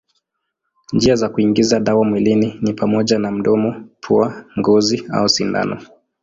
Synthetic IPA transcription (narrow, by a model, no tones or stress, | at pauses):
nd͡ʒiazakuiŋɡizaɗawamwilininipamɔʄanam̩ɗɔmɔpʰuaŋɡɔzia̰usinda̰nɔ̰